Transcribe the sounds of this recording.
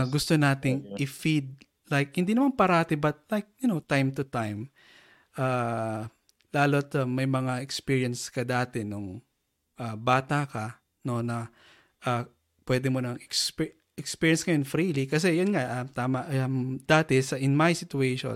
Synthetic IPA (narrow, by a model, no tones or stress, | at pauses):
ɡʊst̪onaːt̪ɪŋʔɪfid̪̚ | lajk̚hɪnd̪inɐmanpɐɾat̪ɪbɐt̪̚lajk̚jʊnot̪ajmt̪ʊt̪ajm | ʔaː | laːlot̪ɐmɐjmɐŋaɛkspiːɹijɐnskɐd̪aːt̪ɛnʊŋ | ʔɐbaːt̪akɐ | no̞nɐ | ʔa | pwɛd̪ɛmonɐŋɛksp | ɛkspiːɹjɐnskɐjonfɾilikɐs̬ɛjonŋaʔɐt̪aːmɐʔɐmd̪aːt̪ɛsɐʔɪnmajsɪt̪ʊejʃo̰